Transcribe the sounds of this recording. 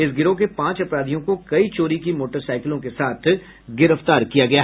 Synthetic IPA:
ɪsɡɪɾok̬epãːt͡ʃɐpɾaːd̪ʱijõkokɐit͡ʃoːɾikimoːʈəɾsaːɪkɪlõkesaːt̪ʰ | ɡɪɾəft̪aːɾkijaɡɐja

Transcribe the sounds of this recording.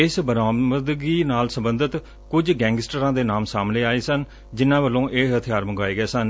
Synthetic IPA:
ɪsbəɾaːməd̪ɡiːnaːlsə̃mbənd̪ət̪ | kʊd͡ʒɡɛ̃ːŋɡɪsʈəɾãːd̪eːnaːmsaːmnẽːaːeːsən | d͡ʒɪnːãːbəlːõːʔeːɦət̪ʰjaːɾməŋɡaːeːɡeːsən

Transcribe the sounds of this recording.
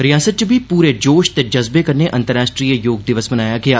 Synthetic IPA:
ɾɪjaːsət̪t͡ʃbʱiːpuːɾed͡ʒoːʃt̪ed͡ʒɐzbekəɾneʔɐ̃nt̪əɾaːsʈɾiːjəjoːɡ̚d̪ɪʋəsmənaːjaːɡeaː

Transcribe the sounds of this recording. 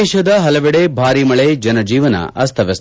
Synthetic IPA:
ʃɐd̪ɐɦɐlɐʋɛɽebʱaːɾimɐɭed͡ʒɐnɐd͡ʒiːʋɐnɐ̰ʔɐst̪ʰɐʋɐst̪

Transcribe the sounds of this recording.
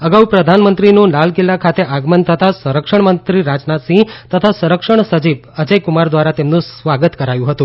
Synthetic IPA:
əɡaupɾəd̪ʱanmənt̪ɾinũlalkilːakʰat̪eʔaɡmənt̪ʰət̪asəɾəkʃəɳmənt̪ɾiɾad͡ʒnat̪sĩt̪ət̪ʰasəɾəkʃəɳ̃səd͡ʒib | əd͡ʒəjkʊmaɾd̪ʋaɾat̪emnũsʋaɡət̪kəɾajũɦət̪ũ

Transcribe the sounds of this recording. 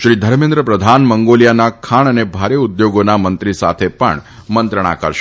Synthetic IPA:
ʃɾid̪ʱəɾmẽnd̪ɾəpɾəd̪ʱanməŋɡolijanakʰaɳ̃ənebʱaɾeʊd̪joɡonamənt̪ɾisa̰t̪ʰepə̰ɳmənt̪ɾəɳ̃a̰kəɾʃ

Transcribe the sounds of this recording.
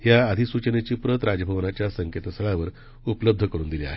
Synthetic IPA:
ɦjaəd̪ʱisut͡ɕənet͡ɕiːpɾət̪ɾad͡zəbʱəʋnat͡ɕjasəŋket̪əsəɭaʋəɾ | upləb̚d̪ʱəkəɾuːnd̪ilia̰ɦe

